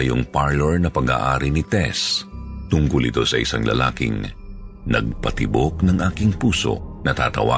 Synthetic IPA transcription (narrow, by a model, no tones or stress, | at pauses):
ɐjoŋpaɹlɛɹnɐpɐɡa̰ːʔaːɾinɪt̪ɛst̪ʊŋkʊlɪt̪o̞sɐʔɪsaŋlɐ̰laːkɪ̰ŋ | nɐ̰ɡ̚pɐt̪ɪbok̚nɐŋʔaːkɪŋpuːso̞̰nɐt̪a̰ːt̪ɐ̰wa̰ː